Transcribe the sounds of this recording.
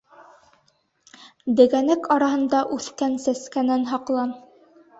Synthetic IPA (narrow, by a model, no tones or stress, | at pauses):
d̪ɘ̆ɡænækɑɾɑɦɤ̆nd̪ɑʔʉθkænsæskænænɦɑqlˠɑm